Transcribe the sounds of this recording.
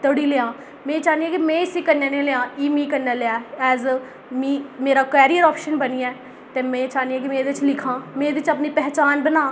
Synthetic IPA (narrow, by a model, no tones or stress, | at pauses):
t̪oɽiːlɪãː | mɛ̃ːt͡ʃaːnijãːkimɛ̃ːɪsiːkənːeːneːleãːiːmĩːkənːeːleaːɛːz | mĩːmeːɾaːkɛːɾiːəɾaːpʃənbəniːɛː | t̪eːmɛ̃ːt͡ʃaːniãːkimẽːd̪eɪt͡ʃlɪkʰãːmẽːd̪ɪʋɪt͡ʃəpniːpɛɦt͡ʃaːnbənaː